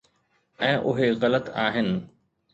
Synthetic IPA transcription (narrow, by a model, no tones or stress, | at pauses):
ɛ̃ːʔʊɦeɣɐlət̪aːɦɪnɪ̆